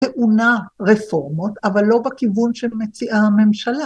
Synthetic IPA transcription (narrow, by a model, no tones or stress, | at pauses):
teʔunaʁefo̞ʁmotavalːo̞bekivunʃemet͡siʔame̞mʃala